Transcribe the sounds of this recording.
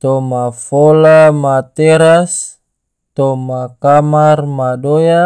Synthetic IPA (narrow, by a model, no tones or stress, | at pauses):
t̪ɔmafolamat̪ɛɾas | t̪ɔmakamarmadoja